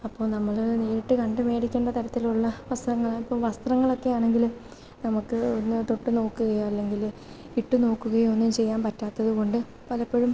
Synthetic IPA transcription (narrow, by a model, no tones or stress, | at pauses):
ɐpːo̞ːɭnɐmːɐɭneːɾiʈːɨkɐɳɖɨme̞ːɽikʲːeːɳɖɐt̪ɐɾɐt̪ːiluɭːɐʋɐst̪rɐŋːɐɭipːo̞ːʋɐst̪rɐŋːɐɭo̞kːe̞jaːɳe̞ŋɡil | nɐmukːɨonːɨt̪o̞ʈːuno̞ːkːuɣɐjaɐlːe̞ŋɡil | iʈːuno̞ːkːuɣɐjomonːumt͡ɕe̞jːaːnpɐtːaːt̪ːɐðuko̞ɳɖɨ | pɐlɐpːe̞ɻum